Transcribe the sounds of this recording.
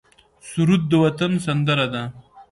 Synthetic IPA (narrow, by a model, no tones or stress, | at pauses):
suɾud̪̚ːəwat̪ansand̪əɾad̪a